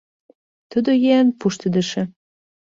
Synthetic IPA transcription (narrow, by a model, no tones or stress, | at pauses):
t̪əd̪ojeænpuʃt̪ə̆d̪ə̆ʃĕ